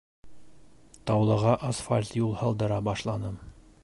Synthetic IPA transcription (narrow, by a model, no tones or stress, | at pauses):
t̪ɒwlˠɤ̆ʁɑʔɐsfalʲt̪julˠhɑlˠd̪ɤ̆ɾɑbɒʃlˠɑnɤm